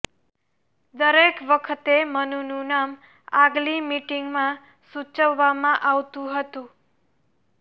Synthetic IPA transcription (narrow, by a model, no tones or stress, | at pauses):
d̪əɾekʋəkʰət̪emənunũnam | aɡlimiʈiŋɡmã | sut͡ʃəʋːamãʔaʋt̪ũɦət̪ũ